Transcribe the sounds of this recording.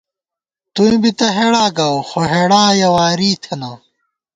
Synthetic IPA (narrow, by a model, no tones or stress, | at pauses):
t̪ũbit̪ɐɦeɽaːɡɐwxoɦeɽaːjɐwaːɾiːt̪ʰenɐ